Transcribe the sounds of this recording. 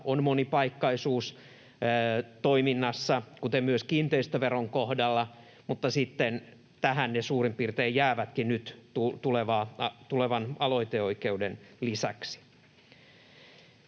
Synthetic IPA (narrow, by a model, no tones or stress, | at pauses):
onmonipɑikːɑisuːsː | t̪oiminːɑsːɑkut̪emmyøskiːnt̪eist̪æʋeroŋkohdɑlːɑ | mut̪ːɑsit̪ːen | t̪æɦænnesuːrimpirt̪eːjjæːʋæt̪kinnyt̪tut̪uleʋɑːɑt̪uleʋɑnɑlo̞it̪eoikeudenlisæksi̥